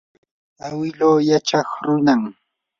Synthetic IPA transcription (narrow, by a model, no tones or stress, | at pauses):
awɪloːjat͡ʃɑχɾʊnaŋ